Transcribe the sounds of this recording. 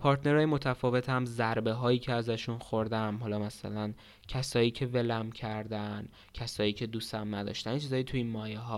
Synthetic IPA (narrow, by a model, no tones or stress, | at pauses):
pʰɒːɾt̪ʰne̞ɾɒːjemo̞t̪ʰæfɒːve̞t̪ʰhæmzæɾbe̞ɦɒːjiːcʰeæzæʃunxoɾd̪æmɦɒlɒːmæsæ̰læn | cʰæsɒːjiːcʰe̞velæmcʰæɾd̪æn | cʰæsɒːjiːcʰe̞d̪uːsæmnæd̪ɒ̰ːʃt̪ænit͡ʃʰizɒːjit̪ʰuinmɒːjeɦɒː